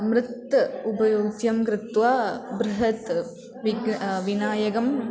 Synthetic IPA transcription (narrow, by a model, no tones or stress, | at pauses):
mɾɨt̪ːɐubɐjoːɡd̪jɐmkɾɪt̪ʋaːbɾɨɦɐt̪ | ʋiɡʋinaːjɐɡɐm